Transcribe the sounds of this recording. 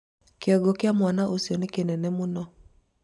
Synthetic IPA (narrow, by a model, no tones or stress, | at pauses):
kɪɔɡɔkɪamwanaʔosjɔnekenɛnɛmonɔ